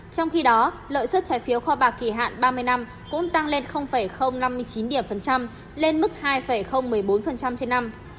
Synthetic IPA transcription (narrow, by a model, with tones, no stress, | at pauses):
t͡ɕɔ˧wŋ͡mxi˧ɗɔ˨˦ | lə̰ː˧˨jsə˦˥t̚t͡ɕaː˨˦jfi˨˦əwxɔ˧ɓaː˨˩kːi˧˩ɦa̰ː˧˨nɓaː˧mɨ˧əjna˧m | kʊ̰˧˥ŋ͡mt̪a˧ŋle˧nxə˧wŋ͡mfə˧˩jxə˧wŋ͡mna˧mːɨ˧əjt͡ɕi˨˦nɗi˧˩əmfə˨˩nt͡ɕa˧m | le˧nmɨ˦˥k̚haː˧jfə˧˩jxə˧wŋ͡mmɨ˨˩əjɓo˨˦nfə˨˩nt͡ɕa˧mt͡ɕe˧nːa˧m